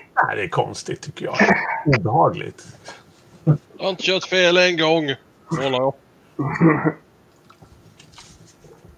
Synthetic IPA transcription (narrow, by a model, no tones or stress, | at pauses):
næɪd̪ɛækʰɔ̰nst̪ɪt̪ʰːʏkːəjɑ̰ːɡuːbɛhɑːɡlɪ̰ɡt̪ | jɑaɪnt̪əɕœːt̪feːlɛŋɡɔŋː | olaɾɔ